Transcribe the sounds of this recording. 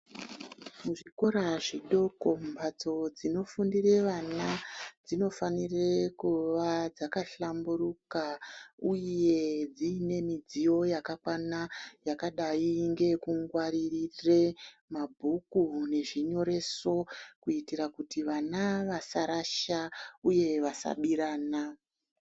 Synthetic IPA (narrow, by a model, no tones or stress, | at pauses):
muʐiko̞ɾaʐiɗo̞ko̞mbʱad͡zo̞d͡zino̞fundire̞ʋanad͡zino̞fanirekuʋad͡zakaɬambuɾukaujje̞d͡ziːne̞mid͡zijo̞jakakwanajakaɗaiŋɡe̞kuŋɡwaɾiriremabʱukune̞ʐiɲo̞ɾe̞so̞kuitiɾakutiʋanaʋasaɾaʃauje̞ʋasa̰ɓiɾaːna